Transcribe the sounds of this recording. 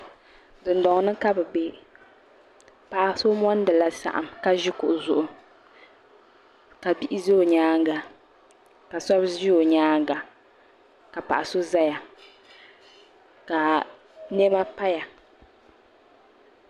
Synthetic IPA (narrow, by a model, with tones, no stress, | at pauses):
dɨ˨ndɔ˨ŋ˨nɨ˦ka˦bɨ˨ɡ͡be˦ | pa˨ʔa˨so˦mɔ˦n˦dɨ˨la˦sa̰˨ʔa˨mka˦ʒi˦kʊ˨ʔʊ˨zʊ˨ʔʊ˨ | ka˨bi˦ʔɪ˦ze˦o˨ɲaː˦ŋ˦ɡa˨ | ka˨sɔ˦bʒi˦o˨ɲaː˦ŋɡa˨ | ka˨pa̰˨ʔa˨so˦za˦ja˨ | ka˨ | nɛ˦ma˦pa˦ja˨